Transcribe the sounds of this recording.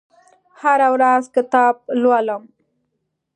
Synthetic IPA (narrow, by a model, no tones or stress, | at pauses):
haɾawɾazkɪt̪ɑb̚lwaləm